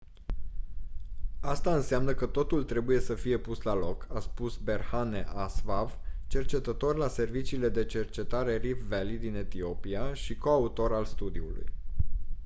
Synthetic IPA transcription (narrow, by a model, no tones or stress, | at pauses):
ast̪aɨnseamnəkət̪o̞t̪ult̪ɾe̞buje̞səfije̞puslalo̞kʰaspusbe̞rhane̞̰ʔasvavt͡ʃe̞rt͡ʃe̞t̪ət̪o̞rʲlase̞rvit͡ʃiːle̞d̪e̞t͡ʃe̞rt͡ʃe̞t̪aɾe̞rifvelid̪ine̞t̪io̞piaʃiko̞aut̪o̞ɾalst̪ud̪iṵlṵj